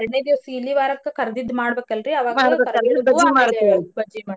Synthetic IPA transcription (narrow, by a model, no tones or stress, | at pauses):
ɐɾɐnːejd̪iʋɐsɐilːiʋaːɾɐkːekɐɾɐd̪id̪maːɽɐbeːkːɐlɾiɐʋaːɡmaːɽbeːɐkːɐɐbɐd͡ʒimaːɽɐt̪ːebɐd͡ʒimaː